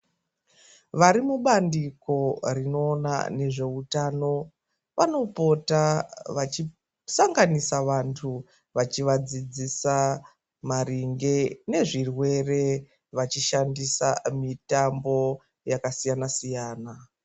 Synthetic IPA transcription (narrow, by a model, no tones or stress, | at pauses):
ʋaɾimuɓandiko̞rino̞ːna̰ne̞ʐe̞utaːno̞ | ʋano̞po̞taʋat͡ʃi | saŋɡanisaʋantʰu | ʋat͡ʃiʋad͡zid͡zisa | maɾiŋɡe̞ne̞ʐirwe̞re̞ | ʋat͡ʃiʃandisamitambo̞ | jakasijanasijaːna